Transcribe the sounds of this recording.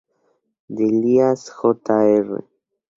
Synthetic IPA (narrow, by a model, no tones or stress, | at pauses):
d̪eliasxot̪aerḛ